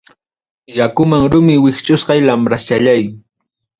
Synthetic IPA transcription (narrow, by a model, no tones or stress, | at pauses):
jakʊmaŋɾʊmɪwɪχt͡ʃʼʊsqɑjlamɾast͡ʃaʎaj